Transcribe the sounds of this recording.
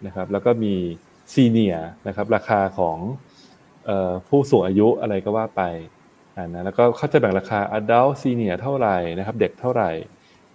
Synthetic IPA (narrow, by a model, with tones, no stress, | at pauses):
na˦˥kʰa˦˥p̚lɛ˦˥wkɔː˥˩miː˧ | siː˧ni˨˩ɐna˦˥kʰa˦˥p̚ɾaː˧kʰaː˧kʰɔː˩˦ŋ | ʔɤː˨˩pʰuː˥˩suː˨˩ŋʔaː˧ju˦˥ʔa˧ɾa˧jkɔː˥˩waː˥˩pa˧j | ʔaː˨˩nːa˦˥lɛ˦˥wkɔː˥˩kʰa˥˩wt͡ɕa˧˩jbɛ˨˩ŋɾaː˧kʰaː˧ʔaː˧da˦˥˩wsiː˧ni˨˩ɐt̪ʰa˥˩wɾa˨˩jna˦˥kʰa˦˥p̚de˨˩k̚t̪ʰa˥˩wɾa˨˩j